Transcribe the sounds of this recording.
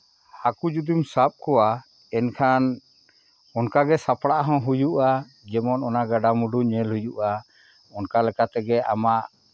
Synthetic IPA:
hakud͡ʒud̪umsap̚kɔwa | ɛnkʰan | ɔnkaɡɛsapɽaʔaɦɔ̃ɦujuʔa | d͡ʒɛmɔnɔnaɡaɖamuɖuɲɛlɦujuʔa | ɔnkalɛkat̪ɛɡɛʔamaʔ

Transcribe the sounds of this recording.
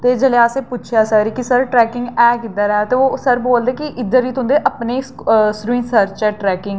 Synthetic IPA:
t̪eːd͡ʒəleːaːseːpʊt͡ʃʰjaːsəɾikisəɾʈɾɛːkɪŋɡɛːkɪt̪ːaːɾɛat̪eːoːsəɾboːld̪eːkiʔɪd̪əɾiːt̪ʰʊ̃ːnd̪eːʔəpneːsɾĩːnsəɾt͡ʃɛːʈɾɛːkɪŋ

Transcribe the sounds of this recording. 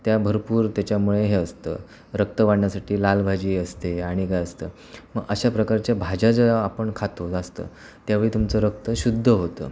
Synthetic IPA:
t̪jabʱəɾpuːɾt̪jat͡ɕjamuɭeɦeəst̪ə̰ː | ɾək̚t̪əʋaɽɳjasaʈʰiːlalbʱad͡ʑiːəst̪eaɽ̃ikajəst̪əː | məɡəɕapɾəkaɾt͡ɕjabʱad͡ʑad͡zəapəɳkʰat̪od͡zast̪ə̰ː | t̪jaʋeɭiːt̪umt͡səɾək̚t̪əɕud̪ʱːəɦot̪ə̰ː

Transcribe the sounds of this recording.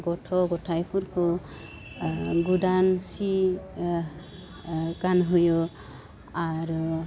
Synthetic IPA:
ɡɔtʰɔɡɔtʰajpʰuɾkʰɔ | ɡudansi | ɡanɦujɔ | aɾ

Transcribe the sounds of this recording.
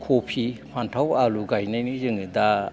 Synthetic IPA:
kʰopʰipʰantʰawaluɡajnajnɯzɯŋɯda

